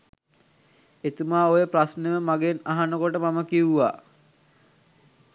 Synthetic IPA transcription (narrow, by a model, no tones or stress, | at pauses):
et̪umaːojəpɾasneʋəmaɡenaɦanəkoʈəmaməkiuʋa̰ː